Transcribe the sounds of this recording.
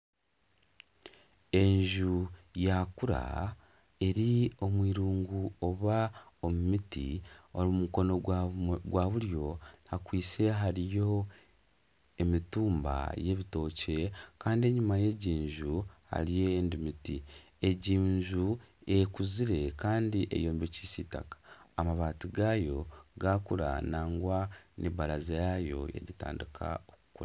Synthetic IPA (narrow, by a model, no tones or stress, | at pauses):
e̞ɲʒujakuɾa̰ | e̞ɾio̞mwiːɾuːŋɡuo̞βao̞mumitḭoɾimuko̞no̞ɡwaβuɾjo̞hakwiːt͡se̞ɦaɾijo̞ | emituːmba̰je̞βito̞ːce̞kaːndie̞ɲumaje̞ɟiːɲʒuha̰ɾijendimiti | e̞ɟiːɲʒuekuziɾe̞kaːndiʔḛjoːmbeciːsiːta̰kḁːmaβaːtiɡaːjo̞ɡaːkuɾa̰naːŋɡwaniβaɾazejajo̞̰jḛɾita̰ːndikʰa̰oku̥kuɾa